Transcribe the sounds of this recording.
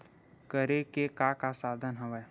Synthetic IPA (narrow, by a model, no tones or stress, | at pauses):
kəɾekekakasaːd̪ʱənɦəʋɛː